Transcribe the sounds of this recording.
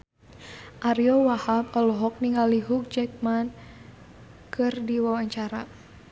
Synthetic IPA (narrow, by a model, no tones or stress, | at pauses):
ʔaɾiɔwahabɔlɔɦɔk̚niŋɡaliɦuk̚d͡ʒɛk̚man | kʰɨrdiwawaɲt͡ʃaɾa